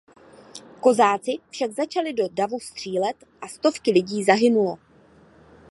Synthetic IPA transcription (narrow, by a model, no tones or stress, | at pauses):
ko̞zaːt͡sɪfʃaɡzat͡ʃalɪdo̞davust̪r̝̥iːlɛt̪ʔast̪o̞fkɪlɪɟiːzaɦɪnulo̞